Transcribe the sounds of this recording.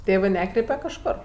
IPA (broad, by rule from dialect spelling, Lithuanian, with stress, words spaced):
ˈtʲeːʋɜ ˈnʲæːkrʲɛɪpʲɛ kɐʃˈkoːr